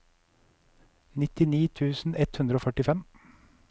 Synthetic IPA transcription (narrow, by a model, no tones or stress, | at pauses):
nɪt̪ɪniːt̪ʰʉːsn̩ɛt̪hʉnd̪ɾoːfœʈɪfɛm